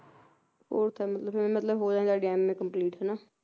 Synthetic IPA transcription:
foːɾt̪ʰɛːmət̪ləbʰm̃ːmət̪ləbɦoːd͡ʒaːẽːsaːɖiɛːmːẽːkəmpliːʈɦɛːnaː

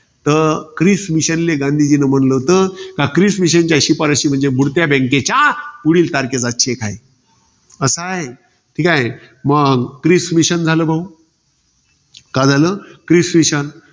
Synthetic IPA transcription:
t̪əkɾismiɕənleɡãnd̪ʱid͡ʑinəm̤ənlət̪əkakɾismiɕ̬ənt͡ɕjaɕipəɾəɕiːm̤əɳd͡zebʱuɽt̪jabɛ̃ŋket͡ɕapuɽiːlt̪aɾket͡saɕʰekʰaj | əsəɦe | ʈʰikaɦe | məɡkɾismiɕənd͡zʱaləbʱaũ | kad͡zʱaləkɾismiɕən

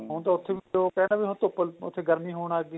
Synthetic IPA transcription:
ɦõːt̪aːʊt̪ʰːeːʋkɛːnaːbiːɦʊ̃t̪ʊpːəlʊ̰t̪ʰːeːɡəɾmĩːɦoːɽ̃aːɡiː

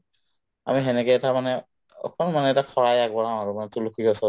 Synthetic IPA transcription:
a̰miɦɛnɛkɛɛtamanɛ | ɔ̰kʰɔnmanɛːtakʰɔɹajaɡbɔɹãw̃aɹumanɛtʊlukʰikɔsɔ

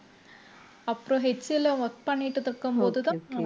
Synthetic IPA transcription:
ɐpːɾoɦet͡ʃːilːɐʋɐkpɐniʈːut̪ɐkːɐmboːd̪ud̪ɐ

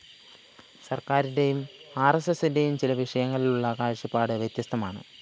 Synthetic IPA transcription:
sɐrkaːɾinde̞jumaːresesinde̞jumt͡ɕilɐʋiʂɐjɐŋːɐɭiluɭːɐkaːɻʂipːaːɽɨʋjet̪jɐst̪ʰɐmaːɳɨ̰

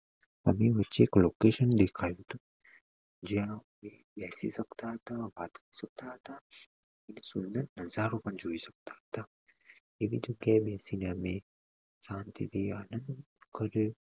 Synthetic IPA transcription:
ɐ̰mẽʋətːt͡ʃeːkloːkeːʃənd̪eːkʰaːjot̪u | d͡ʒiã | mẽ | bɛːsḭsɐkt̪aɦt̪abaːt̪kəisɐk̚t̪aɦɐt̪a | kɪnsʊnd̪əɾnɐzaːɾopənd͡ʒoːisɐk̚t̪aɦɐt̪a | ebid͡ʒoɡabʱɛːsineəmẽ | sãːnt̪ḭt̪iaːnənd̪ | kəɾe

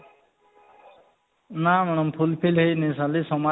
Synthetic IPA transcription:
namaɳ̃ɔmpʰulpʰilɦejnisalisɔma

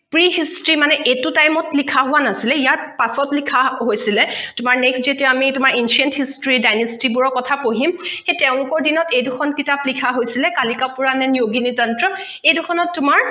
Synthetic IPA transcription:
pɹiɦistɹimanɛʔetʊtajmɔtlikʰaɦʊwanasilɛijaɹpasɔtlikʰaɦojsilɛtʊmaɹnɛksd͡ʒetiaamitʊmaɹinsiɛnthistoɹidajnestibʊɹɔkɔtʰapoɦimxejtɛʊ̃lʊkɔɹdinɔtejdʊkʰɔnkitaplikʰaɦojsilɛkalikapʊɹanɛnijoɡinidɔntɹɔ | ejdʊxʰɔnɔtːʊmaɹ

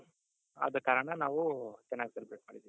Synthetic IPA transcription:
ɐ̰d̪ɐkaːɾɐɳɐnaːʋut͡ʃɐnːaːɡisɐlpɾeːʈ̚maːɽid̪iːi

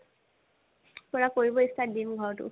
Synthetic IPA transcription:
pɔɹakoɹibɔistadimɡʱɔɹtʊ̰

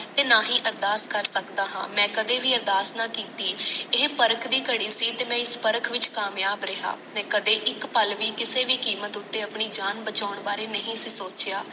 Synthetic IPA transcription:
t̪eːnaːɦĩːʔəɾd̪aːskəɾsəkd̪aːɦã̰ːmɛ̃ːkəd̪eːʋiːəɾd̪aːsnaːkiːt̪iːɪɦpəɾəkʰd̪iːkəɽiːsiːt̪eːmɛ̃ːɪspəɾəkʰʋɪt͡ʃkaːmjaːbɾeɦa̰ːmɛ̃ːkəd̪eːʔɪkpəlʋiːkɪseːʋiːkiːmət̪ʊt̪ːeːəpɳiːd͡ʒaːnbət͡ʃaːʊɳbaːɾeːnəɦĩːsiːsoːt͡ʃɪjaː

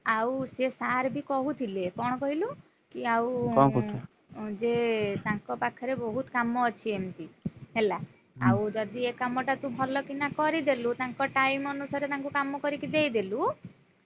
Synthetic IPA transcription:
awsesaɾbʱikɔɦut̪ʰilepɔɽ̃ɔkɔɦilu | kiaw | d͡ʒet̪ãŋkɔpakʰɔɾebɔɦut̪kamɔːt͡ʃʰiemt̪iɦela | awd͡ʒɔd̪iekamɔʈat̪ũbʱɔlɔkinakɔɾid̪elut̪aŋkɔʈajmɔnusaɾet̪ãŋkukamɔkɔɾikid̪ejd̪elu

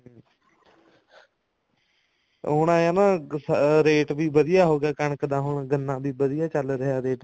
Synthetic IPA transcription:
ɦʊɳãːjaːnaːsɾeːʈbiːbəd̪ɪjaːɦoːɡaːkəɳəkd̪ãːɦʊɳɡənːãːbiːbəd̪ɪjaːt͡ʃəlɾəɦjaːɾeːʈ

